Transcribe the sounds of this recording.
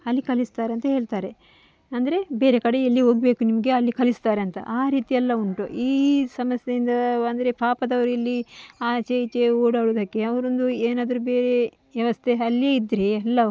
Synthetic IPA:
ɐlːikɐlist̪aːɾeɐnt̪ɐɦe̞ːɭt̪aːɾe̞ | ɐnd̪ɐɾe̞be̞ːɾekɐɽe̞elːiɦo̞ːɡibeːkunimɐɡe̞ɐlːikɐlist̪aːɾeɐnt̪ɐ̰ʔaːɾiːt̪iɛlːɐuɳʈo̰ʔiːsɐmɐsjed̪ind̪ɐɐnd̪ɐɾe̞pʰaːpɐd̪ɐʋɐɾuelːiaːt͡ʃeit͡ʃeoːɽaːɽoːd̪ɐkːeɐʋɐɾond̪ueːnaːd̪ɐɾube̞ːɾe̞ | ʋjɐʋɐst̪ʰeɐlːieːid̪ːɾeɐlːɐ

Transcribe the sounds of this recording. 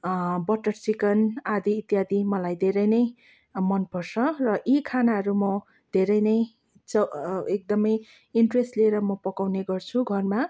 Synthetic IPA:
bʌʈʌrsikʌnad̪iːt̪jad̪imʌlajd̪ʱeɾʌjnʌj | mʌnpʌrsʰʌrʌʔikʰanaɦʌɾumʌ | d̪ʱeɾʌjnʌj | t͡sʌek̚d̪ʌmʌj | iɳʈresʈleɾʌmʌpʌkawneɡʌrt͡sʰuɡʱʌrma

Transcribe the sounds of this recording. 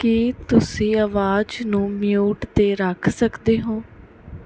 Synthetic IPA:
kit̪ʊsĩːaʋaːd͡ʒnũːmɪjuːʈt̪eːɾəkʰsəkd̪eːɦõː

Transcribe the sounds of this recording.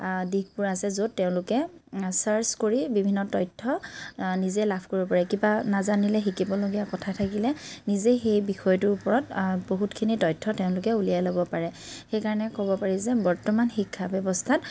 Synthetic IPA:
dikpʊɹasɛzotːeʊ̃lʊkɛsaɹskoɹibibʱinːɔtɔjtʰːɔnizɛlapʰkoɹibɔpaɹɛkibanazanilɛxikibɔloɡijakɔtʰatʰakilɛnizexejbixɔjɔtʊʊpɔɹɔt̚boɦutkʰinitɔjtʰːɔteʊ̃lʊkɛulijajlobɔpaɹɛxejkaɹɔnɛkɔbɔpaɹizɛbɔɹtɔmanxikʰːabjɔbɔstʰat

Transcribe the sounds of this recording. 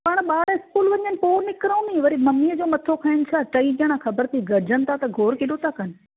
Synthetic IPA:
paːɽ̃ɓaːɽɪskuːlʋɐɲənɪ̆poːɾnɪkɾəũmeʋɐɾimɐmiːəd͡ʑoːmɐt̪ʰokʰaɪɽ̃ɪt͡ɕʰaːʈɐiɡəɽ̃axɐbəɾt̪ʰiɡɐɾd͡ʑʱənɪ̆t̪ʰat̪ɐɡʱoːɾkɪɗot̪ʰakɐnɪ̆

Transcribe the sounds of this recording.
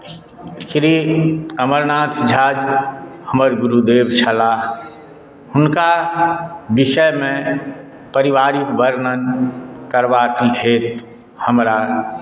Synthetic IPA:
ʃɾiəməɾnaːt̪ʰd͡ʒʱaːd͡ʒhəməɾɡʊɾud̪eːbt͡ʃʰəla | hʊnka | bɪʃəjmẽ | pəɾɪʋaːɾikbəɾnənkəɾbaːkiɦeːt̪ | həmɾa

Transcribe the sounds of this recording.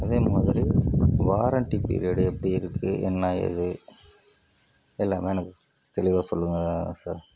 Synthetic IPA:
ɐðeːmaːðɪɾiʋaːɾɐɳʈːipḭɾɪɐɽɯɛpːɐɽiɪɾɯkːɯʔɛ̰nːaːjɛ̰ðɯ | ɛlːaːmeɛnɐkːɯ | t̪ɛɭɪʋaːsɔlːɯŋɡɐsa̰ːɾ

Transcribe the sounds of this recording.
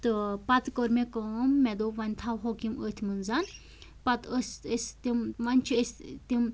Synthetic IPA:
t̪ɨpɐt̪koɾmekoːmːɛd̪oʋɐnʲt̪ʰawɦoːkiməːt̪ʰmɨnzan | pɐt̪əsəsʲt̪imʋɐnʲt͡ʃʰiəsʲt̪im

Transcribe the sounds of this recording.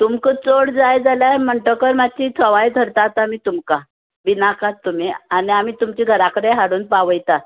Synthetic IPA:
t̪umkət͡soɽd͡zajd͡zaljaməɳʈəkəɾmat͡ɕit̪ʰəʋajd̪ʱəɾt̪at̪amiːt̪umka | binakatt̪ːum̤ianiam̤iːt̪umt͡ɕiːɡʱəɾakəɽeɦaɽuːnpaʋəjt̪a

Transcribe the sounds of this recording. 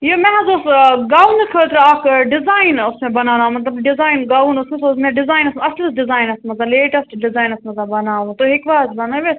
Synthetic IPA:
jomɛ̃ɦɐzosɡaːunkʰət̪ɾaːkɖɪzaːɪnʊsmẽbɐnaːnãːmɐt̪lɐbɖɪzaːinɡaːunʊsmẽsosmɛ̃ɖɪzaːjnɐsmɐslɐsɖɪzaːjnɐsmɐzɐleːʈɐsʈɖɪzaːjnɐsmɐzɐbɐnaːʋũt̪oɦɪkʋaːzbɐnaʋe

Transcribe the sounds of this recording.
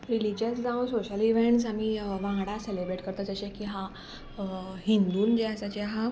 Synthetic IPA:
ɾilid͡ʑəsd͡zãw̃soɕəliʋẽɳʈs̬amiʋãŋɡɽaselebɾeʈkəɾt̪ad͡zəɕekiɦa | ɦind̪uːnd͡ʑeasat͡ɕeɦa

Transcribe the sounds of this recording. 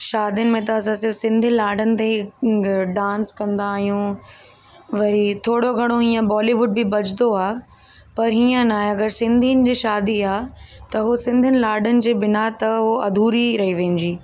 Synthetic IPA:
ʃaːd̪ijənɪ̆mẽt̪ɐːs̬ãsɪɾfsɪ̃nd̪ʱənɪ̆laːɖʱənɪ̆t̪e | ɖãːnskɐ̃nd̪aːɦijũ | ʋɐɾit̪ʰoːɽoɡʱɐɽ̃oɦiːə̃bɔːliʋʊɖ̚bɪbɐd͡ʑɪd̪oaː | pɐɾɦiːə̃naːɦeɐɡəɾsɪ̃nd̪ʱiənɪ̆d͡ʑiːʃaːd̪iaːt̪ɐɦosɪ̃nd̪ʱənɪlaːɖʱənɪ̆d͡ʑeːbɪnat̪ɐɦoɐd̪ʱuːɾiɾɐɦiʋɐ̃ɲd͡ʑiː

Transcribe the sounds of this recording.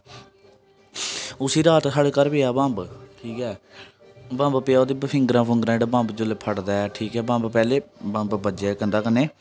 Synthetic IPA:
ʊsiːɾaːt̪ɦəɽkəɾpeːaːbãmbʈʰiːkɛː | bãːmbpeaoːd̪iːbəpʰɪ̃ŋɡɾãːpʰʊŋɡɾãːɖbãːmbd͡ʒʊlpʰəʈd̪aːɛʈʰiːkɛːbãːmbpɛːleːbãːmbbəd͡ʒɛːkə̃nd̪aːkəneː

